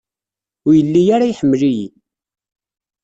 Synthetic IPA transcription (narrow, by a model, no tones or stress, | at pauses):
ʊjəlːijaɾajħəmːəlijḭ